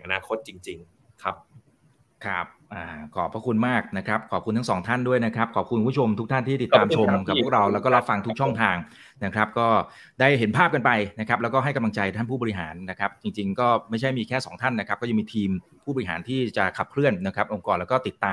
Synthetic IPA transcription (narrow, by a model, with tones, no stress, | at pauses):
ʔa˧naː˧kʰo˦˥t̪̚t͡ɕi˧ŋt͡ɕi˧ŋ | kʰa˦˥p̚ | kʰa˦˥p̚ʔaː˨˩kʰɔː˨˩pʰːɾa˦˥kʰu˧nmaː˥˩k̚na˦˥kʰɾa˦˥p̚kʰɔː˨˩pkʰu˧nt̪a˦˥sɔː˩˦ŋt̪ʰa˥˩ndu˥˩əjna˦˥kʰɾa˦˥p̚kʰɔː˨˩p̚ku˧nkːʰo˧mt̪ʰu˦˥kt̪ʰa˥˩nt̪ʰiː˥˩t̪i˨˩t̪ːaː˧mt͡ɕʰo˧mka˨˩p̚ʰːu˥˩kɾa˧wlɛː˦˥wkɔː˥˩ɾa˦˥fa˧ŋt̪ʰu˦˥k̚t͡ɕʰɔ˥˩ŋt̪ʰaː˧ŋ | na˦˥kʰɾa˦˥p̚kɔː˥˩ | daː˥˩jɦe˩˦npʰaː˥˩p̚ka˧npa˧jna˦˥kʰɾa˦˥p̚lɛː˦˥wkɔː˥ɦa˥˩jka˧mla˧ŋt͡ɕa˧jt̪ʰa˥˩npʰuː˥˩ɔː˧i˦˥ɦa̰ː˩˦nːa˦˥kʰɾa˦˥p̚t͡ɕi˧ŋt͡ɕi˧ŋkɔː˥˩ma˥˩jt͡ɕʰa˥˩jmiː˧kʰɛː˥˩sɔː˩˦ŋt̪ʰa˥˩nːa˦˥kʰa˦˥kɔ˥˩a˧miː˧t̪ʰiː˧m | pʰuː˥˩ɔː˧ɾi˦˩ɦaː˩˦nt̪ʰiː˥˩t͡ɕa˨˩kʰa˨˩p̚kʰɾɯ˥˩ənːa˦˥kʰɾa˦˥pʔo˧ŋkɔː˨˩lɛː˦˥kɔː˥˩t̪i˨˩t̪ːaː˧